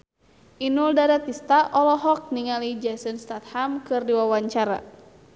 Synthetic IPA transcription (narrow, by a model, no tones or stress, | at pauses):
ʔinuldaɾat̪ist̪aʔɔlɔɦɔk̚niŋalid͡ʒasənst̪at̪̚hamkɨrdiwawaɲt͡ʃaɾa̰